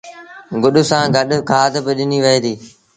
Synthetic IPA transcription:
ɡʊɗʊsãːɡɐɗkʰaːd̪bɪɗɪniʋɐeːd̪iː

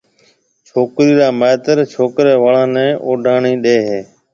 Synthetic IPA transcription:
t͡ʃʰoːkɾiːɾaːmaːt̪əɾt͡ʃʰoːkɾeːʋəːɭãːnɛ̃ːʔoːɖʱaːɳiːɗeːɦeː

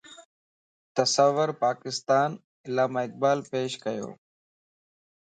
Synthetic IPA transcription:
t̪əsəʋːəɾpaːkɪst̪aːn | ɪlaːmaːɪk̚baːlpeːʃkəjo̰ː

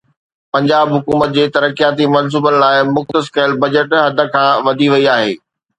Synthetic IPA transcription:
pɐ̃ɲd͡ʑaːbɦʊkuːmət̪̚d͡ʑeːt̪ɐɾəkijaːt̪imɐns̬uːbənɪ̆laːɪmʊxt̪əskɐɪlbɐd͡ʑəʈɦɐd̪ʱə̆kʰãːʋɐd̪ʱiʋɐiaːɦḛː

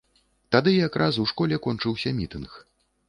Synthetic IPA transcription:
t̪ad̪ɨjakɾʔasuwʂkɔlʲɛkɔnt͡ʂɨwsʲɐmʲit̪ɨnx

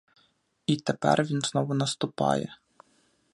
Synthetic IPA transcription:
it̪ɛpɛrʋʲinznɔʋʊnɐst̪ʊpɑ̰jɛ̰

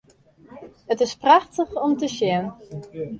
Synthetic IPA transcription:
ətɪspraxtəχɔmtəʃjɪən

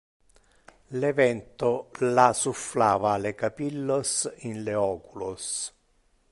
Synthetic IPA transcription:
lɛvɛnt̪ʊlasuflaːvalekapilːosinleɔːkulos

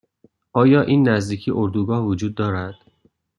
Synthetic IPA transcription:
ʔɒːjɒːʔiːnːæzd̪iːcʰiʔoɾd̪uːɡɒːhvod͡ʒuːd̪̚ːɒːɾæd̪̥

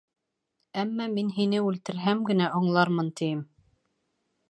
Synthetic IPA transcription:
æmːæminɦinɘʉlt̪ɘ̆ɾɦæmɡɘ̆næʔŏɴlˠɑɾmɤnt̪ĭjɘm

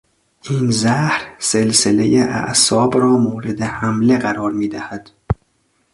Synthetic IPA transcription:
ʔiːnzæhɾse̞lsele̞jeʔæ̰ʔsɒːbɾɒːmoːɾed̪ehæmle̞ɣæɾɒːɾmiːd̪æhæd̪̥

